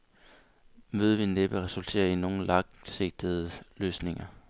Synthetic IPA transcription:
meðˠʋinːeb̥əʁɛsult͡sʰe̝̰ːɐino̝ːn̩lɑ̈ŋse̝ɡ̥̚d̥ð̩ˠəløːsne̝ŋɐ

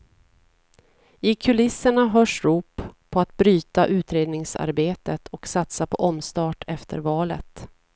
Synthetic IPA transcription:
ɪkʰɵlɪsːəɳaɦœːʂɾuːpʰː | ɔat̪bɾyːt̪aʔʉ̟ːt̪ɾeːd̪nɪŋsa̰ɾbeːt̪ət̪ʰɔksat̪sapʰɔʔɔmst̪ɑːʈʰɛft̪ʰə̰ɾvɑːlə̰t̪

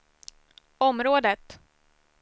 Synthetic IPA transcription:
ɔmɾoːd̪ət̪

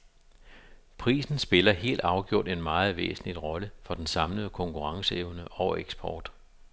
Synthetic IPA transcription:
pʰʁḭːsn̩sb̥e̝lɐɦe̝̰ːld̥ɑ̈ʊɡ̥jo̝ɐ̰d̥e̝nmɑ̈ːð̩ˠʋḛːsn̩lid̥ʁɒ̽ləfɒ̽d̥ensɑ̈mləð̩ˠəkʰɒ̽ŋkʰuʁɑ̈ŋsəeʊnəʔɒʊeɡ̥sb̥ʰɒːd̥

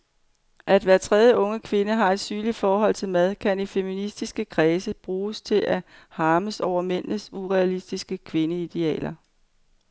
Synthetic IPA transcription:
ʔæd̥ʋæːɐt͡sʰʁɛð̞ˠjəɔ̽ŋəkʰʋe̝nəɦɑ̈e̝d̥syːnlid̥fɒːɦɒ̽l̰t͡sʰe̝lmæð̞ˠkʰænifeminisd̥isɡ̥əkʰʁɛːsəb̥ʁuːst͡sʰe̝lʔæhɑ̈ːməsɒʊ̰ɐmen̰nəsuʁɛælisd̥isɡ̥əkʰʋe̝nəid̥e̝ɛ̰ːlɐ

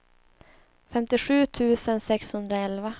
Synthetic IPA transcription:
fɛmt̪ɪɧʉ̟ːt̪ʰʉ̟ːsənsɛkshɵnd̪ɾaɛlva

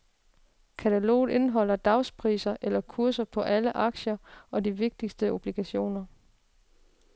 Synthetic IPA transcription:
kʰæt͡sʰælo̰ːð̩ˠe̝nəɦɒ̽l̰ɐd̥ɑ̈ʊspʰʁḭːsɐʔelɐkʰuɐsɐpʰɒ̽ʔæləʔɑ̈ɡ̥ɕɐɒ̽diʋe̝ɡ̥̚d̥isd̥əʔo̝b̥liɡ̥æɕo̝̰ːnɐ

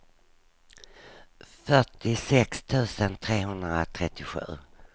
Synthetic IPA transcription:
fœʈɪsɛkst̪ʰʉ̟ːsənt̪ʰɾeːɦɵnd̪ɾa̰t̪ʰɾɛt̪ːɪɧʉ̟̰ː

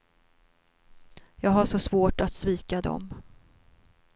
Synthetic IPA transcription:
jɑːɡɦaʂɔsvoːʈat̪sviːkad̪ɔ̰m

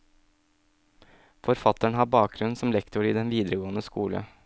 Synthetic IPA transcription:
fɔɾfɑt̪əɳ̩hɑbɑːk̚ɡɾʉnsɔmlɛkt̪ʊɾiːd̪ɛnʋiːd̪ɾəɡoːənəskuːlə̰

